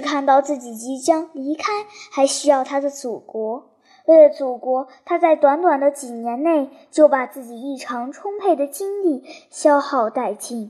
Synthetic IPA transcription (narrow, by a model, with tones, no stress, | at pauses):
kʰa˥˧nt̪ɑ˥˧ʊt͡sɹ̩˥˩t͡ɕi˨˩t͡ɕi˧˥t͡ɕjɑ˥ŋli˧˥kʰa˥ɪxa˧˥ɪɕy˥jɑ˥˩ʊt̪ʰa˥d̪ə˨t͡su˨˩kwɔ˧˥ | we˥˩ɪlə˩t͡su˨˩kwɔ˧˥t̪ʰa˥t͡sa˥˩ɪt̪wa˧˥nt̪wa˨˩nd̪ə˦t͡ɕi˨˩njɛ˧˥nne˥˩ɪ | t͡ɕjo˥˩ʊpa˨˩t͡sɹ̩˥˩t͡ɕi˨˩i˥˩ʈ͡ʂʰɑ˧˥ŋʈ͡ʂʰʊ˥ŋpʰe˥˩ɪd̪ə˩t͡ɕi˥nli˥˩ɕjɑ˥ʊxɑ˥˧ʊt̪a˥˧ɪt͡ɕi˥˩ŋ